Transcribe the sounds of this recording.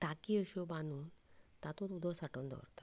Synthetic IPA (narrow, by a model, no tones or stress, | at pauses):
ʈakiəɕɔbãnuːn | t̪at̪ũɾud̪ʱɔsaʈond̪ʱɔ̰ɾt̪ḁ